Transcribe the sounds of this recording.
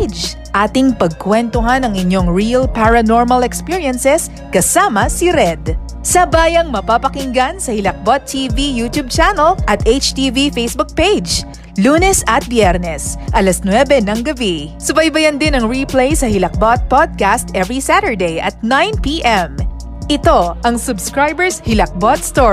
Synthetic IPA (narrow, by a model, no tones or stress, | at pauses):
d͡ʒ | ʔaːt̪ɪŋpɐɡ̚kwɛnt̪oɦanɐŋɪɲːoŋɹiɐlpaɹɐnoɹmɐlɛkspiɹiɐnsɛs | kɐsaːmɐsiɾɛd̪ | sɐbaːjɐŋmɐpapɐkɪŋɡansɐhɪlɐk̚bot̪ʰːivijut̪jub̚t͡ʃanɐlʔɐt̪ʔet͡ʃt̪ivifejsbʊk̚pejd͡ʒ | luːnɛsɐt̪̚bjɛɾnɛsʔɐlɐsnwɛbɛnɐŋɡɐbisʊbɐjbɐjɐnd̪ɪnɐŋɹiplejsɐhɪlɐk̚bot̪̚pod̪̚kast̪ʔɛvɹisat̪əɹd̪ejʔɐ̰t̪̚najnpiʔɛm | ʔɪt̪o̞ʔɐŋsʊbskɹajbɛɹshɪlɐk̚bot̪̚st̪o